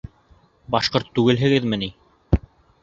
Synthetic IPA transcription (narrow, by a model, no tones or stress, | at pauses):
bɑʃqoɾt̪ːʉɡɘlɦɘ̆ɡɘðmɘ̆ni